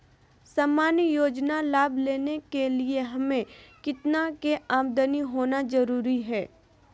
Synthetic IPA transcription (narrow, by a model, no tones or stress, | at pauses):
saːmaːnjoːd͡ʒnalaːbleːnekelieɦɐmẽkɪt̪nakeaːmd̪əniɦoːnazɐɾuːɾiɦɛː